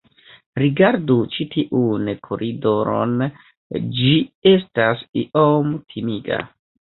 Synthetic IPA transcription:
ɾiɡaɾdut͡ʃitʰiʔunkʰoɾʔidoɾo̰n | d͡ʒie̞stasiʔomtʰimiɡa̰

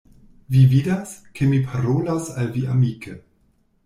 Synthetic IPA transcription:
vividaskʰemipʰaɾolasalviamikʰə

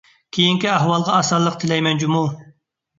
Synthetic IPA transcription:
kʲʰejiŋkʲiæɦwɑlˠʁɑːsɑlˠːəq̚t̪ʰɪlɛjmɛnd͡ʒumu

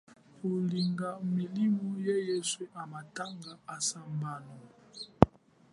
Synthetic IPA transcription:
koliŋɡamilimɔjejesweʔamataŋɡaasambanɔ

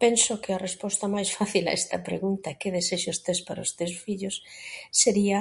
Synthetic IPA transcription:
pensʊkɪɐrespɔst̪ɐmajsfaθila̰ʔɛst̪ɐpɾḛɣunt̪ɐkeðeseʃost̪espaɾost̪ewsfiʎʊsːeɾiɐ

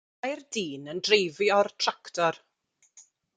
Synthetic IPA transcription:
jrdiːnəndrejviɔrtʰraktʰɔr

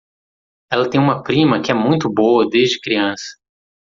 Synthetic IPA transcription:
ɛlɐt̪ẽj̃ũmɐpɾĩmɐkɪɛmũj̃t̪ʊboɐd̪ezd͡ʒɪkɾiɐ̃sɐ̥

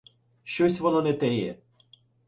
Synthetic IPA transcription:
ʃt͡ʃɔsʲʋɔnɔnɛt̪ɛjɛ̰

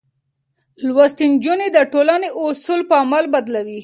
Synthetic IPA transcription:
lwast̪ind͡ʒuned̪əʈolaneʔʊsulpəamalbad̪lawi

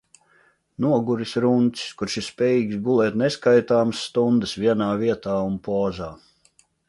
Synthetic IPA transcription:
nuɔɡuɾisɾunt̪ʲi̥skuɾʃispʲɛːjiːɡsɡulˠɛːt̪nɛskajt̪aːməsːt̪und̪əsvʲiɛnaːviɛt̪aːunpɔːzaː

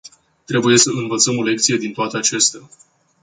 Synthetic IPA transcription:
t̪ɾe̞buje̞səɨnvət̪səmo̞le̞k̚t̪sije̞d̪int̪oat̪eat͡ʃest̪ea

